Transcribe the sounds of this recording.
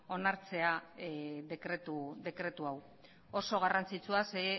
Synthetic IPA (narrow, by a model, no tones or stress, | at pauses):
o̞naɾt͡se̞a | ðekɾet̪uðe̞kɾe̞t̪uaw | o̞so̞ɣ̞arant͡sit͡suasee